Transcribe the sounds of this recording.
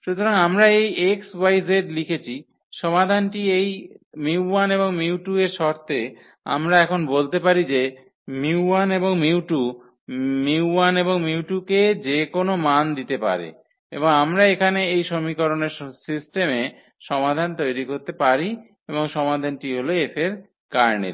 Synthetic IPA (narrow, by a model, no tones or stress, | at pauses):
ʃut̪oɾaŋamɾaejekswajzeʈlikʰet͡ɕʰi | ʃɔmad̪ʱanʈiejmiwaneβoŋmiwʈueɾʃɔɾt̪e | a̰mɾaɛkʰonbolt̪epaɾid͡ʑe | miwaneboŋmiwʈu | miwaneboŋmiwʈuked͡ʑekonomand̪it̪epa̰ɾḛ | ḛboŋamɾaekʰaneejʃomikoɾoneɾsisʈeme | ʃɔmad̪ʱant̪ojɾikoɾt̪epaɾi | eboŋʃɔmad̪ʱanʈiɦoloefʰeɾ | kaɾnḛɾ